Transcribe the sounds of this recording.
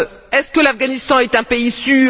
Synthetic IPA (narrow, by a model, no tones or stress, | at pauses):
ɛskəlafɡanist̪ɑ̃ɛt̪ɛ̃peisyː